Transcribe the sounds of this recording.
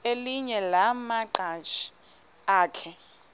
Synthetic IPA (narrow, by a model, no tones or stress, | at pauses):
eliɲɛlamaǃat͡ʃʰi̥ | aːkʰɛ